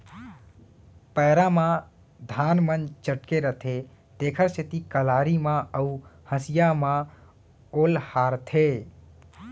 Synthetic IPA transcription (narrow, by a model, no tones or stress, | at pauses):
pəːɾamã | d̪ʱaːnmənt͡ʃəʈkeɾət̪ʰe | t̪eːkʰəɾsit̪ikəlaːɾimãəuhə̃sɪjamã | oːlhaːɾt̪ʰe